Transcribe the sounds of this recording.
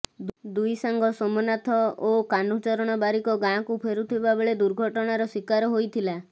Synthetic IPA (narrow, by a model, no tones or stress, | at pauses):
d̪d̪ujsaŋɡɔsɔmɔnat̪ʰɔokanut͡ʃɔɾɔɽ̃ɔbaɾikɔɡãkupʰeɾut̪ʰibabeɭed̪uɾɡʱɔʈɔɽ̃aɾɔswikaɾɔɦojt̪ʰila